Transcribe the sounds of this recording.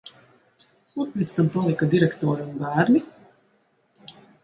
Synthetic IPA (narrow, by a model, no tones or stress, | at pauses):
kuɾpʲet̪st̪ampalˠikad̪iɾɛkt̪ɔːɾunbæːɾni